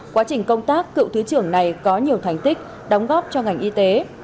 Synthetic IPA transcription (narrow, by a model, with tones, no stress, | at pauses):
kwaː˨˦t͡ɕï˨˩ŋ̟kə˧wŋ͡mt̪aː˦˥kːɨ̰˧˨wt̪ʰɨ˨˦t͡ɕɨ˧˩əŋna˨˩jkɔ˨˦ɲi˨˩əwt̪ʰa˨˧˩jŋ̟t̪ï˦˥k̚ | ɗə˨˦wŋ͡mɣɔ˦˥p̚t͡ɕɔ˧ŋa˨˩jŋ̟ʔi˧t̪e˨˦